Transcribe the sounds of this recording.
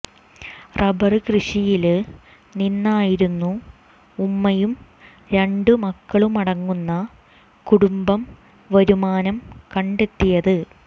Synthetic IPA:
rɐbɐrɨkrɨʂijil | ninːaːjiɾunːuː | mːɐjum | ɾe̞ɳɖɨmɐkːɐɭumɐɽɐŋːunːɐ | kuɽumbɐm | ʋɐɾumaːnɐmkɐɳɖe̞t̪ːijɐðɨ

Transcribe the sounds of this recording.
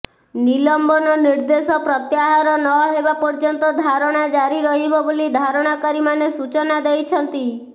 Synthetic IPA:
nilɔmbɔnɔniɾd̪esɔpɾɔt̪jaɦaɾɔnɔɦebapɔɾd͡ʒɔnt̪ɔd̪ʱaɾɔɽ̃ad͡ʒaɾiɾɔɦibɔbolid̪ʱaɾɔɽ̃akɔɾimanesut͡ʃɔnad̪ejt͡ʃʰɔnt̪i

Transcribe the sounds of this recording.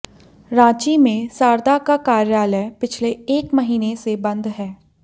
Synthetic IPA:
ɾãːt͡ʃimẽsaːɾd̪akakaːɾjaːləpɪt͡ʃʰleeːkməɦiːnesebɐ̃nd̪ɦɛː

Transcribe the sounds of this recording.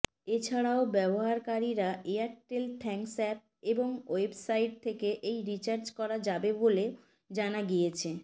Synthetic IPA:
et͡ɕʰaɽaobɛboɦaɾkaɾiɾaʔeaʈelt̪ʰɛŋksɛp̚eboŋoebsajʈ̚t̪ʰekeʔejɾit͡ɕaɾt͡ɕkɔɾad͡ʑabebole | d͡ʑanaɡijet͡ɕʰe

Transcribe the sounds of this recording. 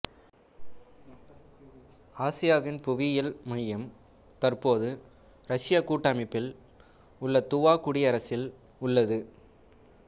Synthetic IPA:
aːsɪjaːʋɪnpʊʋɪjɐlmʊjɐm | t̪ɐrpoːðɯ | ɾɐʂɪjakuːʈːaːmɪpːɪl | ʊɭːɐt̪ʊʋaːkʊɽɪɐɾɐsɪl | ʊɭːɐðɯ

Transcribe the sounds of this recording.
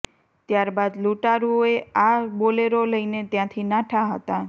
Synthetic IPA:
t̪jaɾbad̪luʈaɾuoeaboleɾoləjnet̪jãt̪ʰinaʈʰaɦət̪a

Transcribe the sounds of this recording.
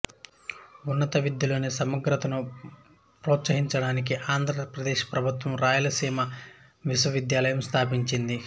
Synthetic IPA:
unːɐt̪ɐʋid̪jilo̞ːnesɐmɐɡɾɐt̪ɐnu | pɾɔːt̪sɐɦiɲt͡ʃɐɽaːnik̬iʔaːnd̪ʱɾɐpɾɐd̪eːʃpɾɐbʱut̪ʋɐmɾaːjɐlɐsiːmɐ | ʋiʃwɐʋid̪jaːlɐjɐmst̪ʰaːpiɲt͡ʃind̪i

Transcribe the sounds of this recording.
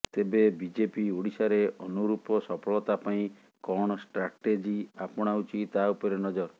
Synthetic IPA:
t̪ebebid͡ʒepiuɽisaɾeɔnuɾupɔsɔpʰɔɭɔt̪apaĩ | kɔɽ̃ɔsʈɾaʈed͡ʒiapɔɽ̃aut͡ʃʰit̪aupɔɾenɔd͡ʒɔɾ

